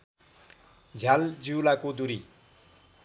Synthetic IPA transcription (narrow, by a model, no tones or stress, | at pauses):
d͡zʱald͡ziwlakod̪uɾi